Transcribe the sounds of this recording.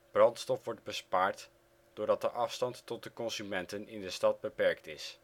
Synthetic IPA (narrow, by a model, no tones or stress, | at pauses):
b̥rɑntstɔfʋɔɹd̚bəspaːɹt | d̥ʊːɹdɑt̚dəʔɑfstɑntːɔt̚dəkɔnzymɛntənɪndəstɑd̚bəpɛɹktɪs